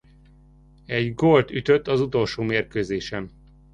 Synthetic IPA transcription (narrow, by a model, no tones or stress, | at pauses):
ɛɟɡolt̪yt̪øt̪ːɒzut̪o̞lʃoːmeːrkøːzeːʃɛn